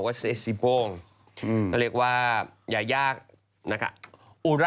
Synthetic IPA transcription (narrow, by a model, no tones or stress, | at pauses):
wɛsesibɔŋ | kəlekwajajak̚ | naka̰ | uɾa